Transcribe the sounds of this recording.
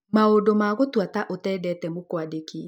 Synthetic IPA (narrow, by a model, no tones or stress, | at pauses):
maodomaːɣotwataʔotɛːdɛːtɛmokwadeke